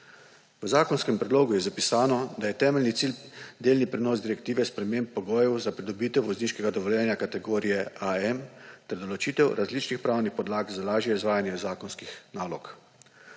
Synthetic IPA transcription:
ʋəzaːkɔnskɛmpɾɛd̪loːɡujɛzapisaːnɔd̪ajɛt̪ɛːmɛlnit̪siːld̪eːlnipɾɛnɔːzd̪iɾɛkt̪iːʋɛspɾɛmeːmpːɔɡɔːjɛwzapɾid̪ɔbiːt̪ɛwʋɔzniːʃkɛɡad̪ɔʋɔljɛːnjakat̪ɛɡoːɾijɛʔaɛmt̪ɛɾd̪ɔlɔt͡ʃiːt̪ɛwɾʔazlit͡ʃnixpɾaːwnixpɔd̪laːɡzalaːʒjɛizʋaːjanjɛzaːkɔnskixnaːlɔk

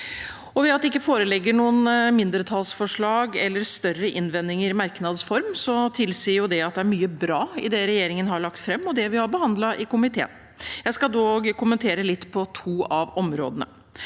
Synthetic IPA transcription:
ɔʋɛɑt̪d̪ɛɪkːəfoːɾəlɛɡːəɳuːənmɪnd̪əɾt̪ʰɑlsfɔʂɭɑːɡɛlːəɾst̪œrəʔɪnʋɛnːɪŋəɾɪmæɾknɑd̪sfɔɾmsɔt̪ʰɪlsiːɾjʊd̪ɛɑt̪̚d̪ɛæɾmyːəbɾɑːɪ̰d̪ɛɾɛjeːɾɪŋənhɑɭɑkt̪fɾɛmːɔd̪ɛʋɪhɑɾbəhɑnd̪lɑʔɪkʊmɪt̪ʰḛːn | jæɪskɑd̪oɡkʊmənt̪ʰeːɾəlɪt̪ːpʰɔt̪ʰuːɑʋɔmɾo̰ːd̪ənə̰

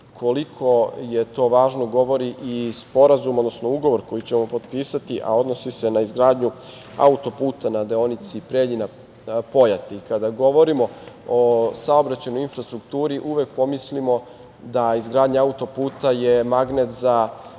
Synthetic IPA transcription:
kʰolikʰo̞je̞t̪o̞ːʋaːʒno̞ɡo̞ʋo̞ɾiʔispo̞ɾazumod̪nosnouɡo̞ʋo̞ɾko̞jit͡ɕemo̞po̞d̪piːsat̪iʔa̰o̞d̪no̞sise̞naizɡɾaːd̪ɲu | a̰ut̪o̞puːt̪anad̪eo̞nit̪sipɾeːʎina | po̞jat̪eikad̪aɡo̞ʋo̞ɾimo̞osao̞bɾat͡ɕajno̞jinfɾast̪ɾukt̪uːɾiʔuʋe̞k̚po̞mislimo | d̪aizɡɾaːd̪ɲiaut̪o̞puːt̪aje̞maɡnet̪za

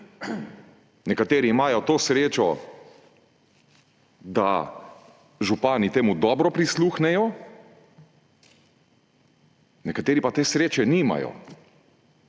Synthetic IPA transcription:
nɛkat̪eːɾiːmaːjɔt̪oːsɾeːt͡ʃɔ | d̪a̰ | ʒupaːnit̪eːmud̪ɔːbɾɔpɾisluːxnɛjɔ | nɛkat̪eːɾipat̪eːsɾeːt͡ʃɛnima̰jɔ̰

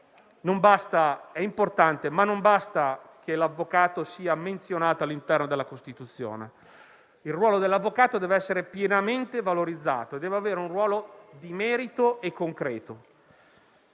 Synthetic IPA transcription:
nombast̪aɛimport̪ant̪emanːombast̪akelavːokaːt̪osiːament̪sjonaːt̪oalːint̪ɛrnod̪elːakost̪it̪ut̪sːjo̰ːnḛ | ilrwɔːlod̪elːavːokaːt̪od̪ɛːveɛsːeɾepjenament̪evaloɾid̪zːa̰ːt̪oed̪ːɛːveaveːɾeunrwɔːlod̪imɛːɾit̪oekːoŋkɾɛːt̪o

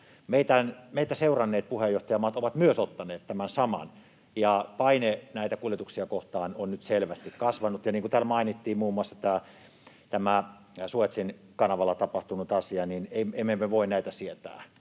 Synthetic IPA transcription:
meit̪ænmeit̪ːæseurɑnːeːt̪̚puhejjoht̪ɑjɑmɑːt̪oʋɑt̪myøsot̪ːɑneːt̪t̪æmænsɑmɑ̰n | jɑpɑinenæˑit̪ækuljet̪uksiɑkoht̪ɑːnonnyt̪selʋæst̪ikkɑsʋɑnut̪jɑniːŋkut̪æːlmɑinit̪ːiːmmuːmːuɑsːɑ̥t̪æː | t̪æmæ | suet̪sin | kɑnɑʋɑlːˑɑt̪ɑpɑht̪unut̪ɑsiɑnineiemːemːeʋoinnæit̪æsiet̪æ̰ː

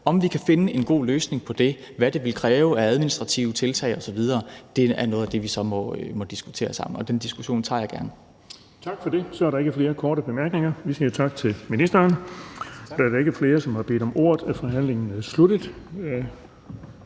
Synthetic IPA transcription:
ɒ̽mʋikʰæfe̝nəe̝nɡ̥o̝̰ːløːsne̝ŋpʰɒ̽d̥e̝ | ʋæd̥e̝ʋe̝lkʰʁɛːʊææð̞ˠminisd̥ʁɑ̈t͡sʰiʊt͡sʰe̝lt͡sʰɛ̰ɪɒ̽sɒ̽ʋið̞ˠɐːd̥e̝æɐnɔ̽ːð̩ˠæd̥e̝ʋisɒ̽mɒ̽mɒ̽d̥isɡ̥ut͡sʰe̝̰ːɐsɑ̈m̰n̩ɒ̽d̥end̥isɡ̥uɕo̝̰ːnt͡sʰɑ̰̈ːjɑ̈ɡ̥æɐnə | t͡sʰɑ̈ɡ̥fɒde̝sɒ̽æɐɾɑe̝ɡ̥əfle̝ːɐkʰɒːɾ̥əb̥e̝mæɐɡ̥ne̝ŋɐʋisiɐt͡sʰɑ̈ɡ̥ət͡sʰe̝lminisd̥ɐːn | ɒd̥æɐɾɑ̈e̝ɡ̥əfle̝ːɐsɒ̽mhɑ̈b̥e̝̰ːd̥ɒ̽mʔo̝ɐ̰ð̩ˠæfɒɦæn̰leŋn̩sludəð̩ˠ

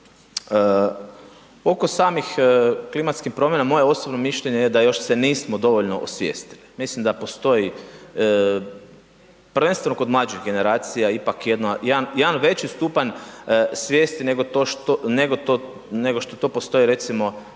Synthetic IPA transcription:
ə | o̞kosaːmixklimat̪skixpɾo̞mje̞namo̞jeo̞sobnomiʃʎeɲejed̪ajo̞ʃseniːsmod̪o̞ʋo̞ʎno̞ʔosʋjḛːst̪ili̥mislimd̪apo̞st̪o̞ji | pɾ̩ʋenst̪eno̞ko̞d̪mlˠad͡ʒiɣɡe̞ne̞ɾaːt̪sijaipakjed̪najenjed̪anʋe̞t͡ɕist̪upaɲsʋje̞ːst̪ineɡot̪oʃt̪oneɡo̞t̪o | neɡo̞ʃt̪ot̪o̞ːpo̞st̪o̞iɾe̞t̪simo̞

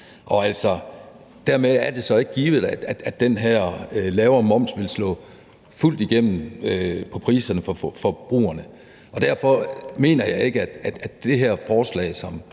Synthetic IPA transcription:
ʔɒ̽æl̰sɒ | d̥æɐ̰meæɐd̥e̝sɒ̽e̝ɡ̥ɡ̥iːʋð̞̩ˠæ̥æ̥æd̥ːenɦæɐ̰ølɛːʊɐmɒ̽m̰sʋe̝lslɔ̰̽ː | ful̰d̥iɡ̥em̰m̩øpʰɒ̽pʰʁḭːsɐnəfɒfɒ̽b̥ʁṵːɐnə | ʔɒ̽d̥æɐ̰fɒ̽me̝̰ːnɐjɑ̈ɪe̝ɡ̥əæd̥æd̥d̥e̝ɦæɐ̰fɒːslɛ̰ːɪsɒ̽m

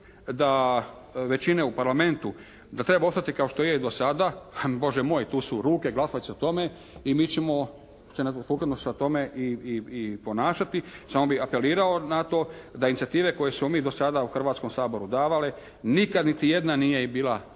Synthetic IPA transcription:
d̪a | ʋe̞t͡ɕine̞upaɾlame̞nt̪u | d̪at̪ɾe̞bao̞st̪at̪ikao̞ʃt̪ojed̪o̞sad̪abo̞ʒemo̞ːjt̪uːsuɾuːke̞ɡlasaiseot̪o̞me̞ | imiːt͡ɕemo̞ | senasuːkad̪nosat̪o̞me̞ʔiiipo̞naːʃat̪isaːmobixape̞liːɾaonat̪o̞d̪ainit̪sijat̪iːʋe̞ko̞je̞smo̞miːd̪o̞sad̪auxr̩ʋaːt̪sko̞msaːbo̞ɾud̪aːʋale | nikad̪nit̪ijed̪naniːje̞biːlˠa

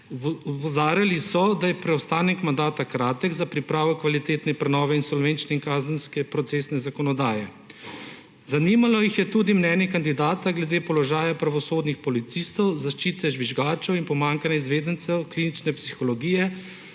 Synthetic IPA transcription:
ɔzaːɾalisɔd̪ajɛpɾɛɔwst̪aːnɛkmand̪aːt̪akɾaːt̪əɡzapɾipɾaːʋɔkʋalit̪eːt̪nɛpɾɛnɔːʋɛinsɔlʋeːnt͡ʃnɛiŋkaːzənskɛpɾɔt̪seːsnɛzakɔnɔd̪aːjɛ | zanimalɔjixjɛt̪uːd̪imnɛːnjɛkand̪id̪aːt̪aɡlɛd̪eːpɔlɔʒaːjapɾaʋɔsoːd̪nixpɔlit̪sist̪ɔwzaʃt͡ʃiːt̪ɛʒʋiʒɡaːt͡ʃɛwinpɔmaːŋkanɛizʋeːd̪ənt̪sɛwkliːnit͡ʃnɛpsixɔlɔɡiːjɛ

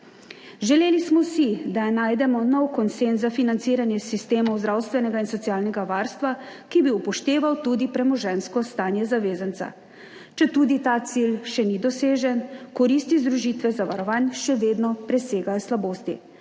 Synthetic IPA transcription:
ʒɛleːlismɔsid̪anaːjd̪ɛmɔnɔwkɔnsenzzafinant̪siːɾanjɛsist̪eːmɔwzd̪ɾaːwst̪ʋɛnɛɡainsɔtsiaːlnɛɡaʋaːɾst̪ʋakibiupɔʃt̪eːʋawt̪uːd̪ipɾɛmɔʒɛnskɔst̪aːnjɛzaʋeːzant̪sa̰ | t͡ʃɛt̪uːd̪it̪aːt̪silʃɛnid̪ɔseːʒɛnkɔɾiːst̪izd̪ɾuʒit̪ʋɛzaʋaɾɔʋaːnʃɛʋeːd̪nɔpɾɛseːɡajɔslaboːst̪ḭ

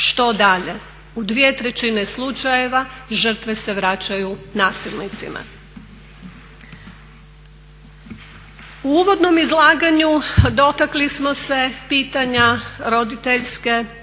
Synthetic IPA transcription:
ʃt̪o̞d̪aʎe | ud̪ʋije̞t̪ɾe̞t͡ɕineslˠut͡ʃaje̞ʋaʒər̩t̪ʋe̞se̞ʋɾat͡ɕajunaːsilˠnit̪sḭma̰ | uuːʋo̞d̪no̞mizlˠaːɡaɲud̪o̞t̪aklismo̞se̞piːt̪aɲaɾo̞d̪it̪eʎske̞

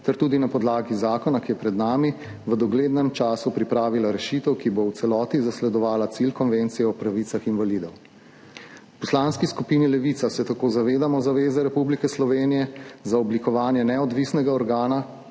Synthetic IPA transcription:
t̪ɛɾt̪uːd̪inapɔd̪laːɡizaːkɔnakijɛpɾɛd̪naːmi | ʋəd̪ɔɡleːd̪nɛmt͡ʃaːsupɾipɾaːʋilaɾɛʃit̪ɛwkibowt̪sɛlɔːt̪izaslɛd̪ɔʋaːlat̪silkɔnʋent̪sijɛɔpɾaʋit̪saxinʋalid̪ɔw | wpɔslanskiskupinilɛʋit̪sasɛt̪akozaʋeːd̪amɔzaʋeːzɛɾɛpublikɛslɔʋeːnijɛzaɔblikɔʋaːnjɛnɛɔd̪ʋisnɛɡaɔɾɡaːna

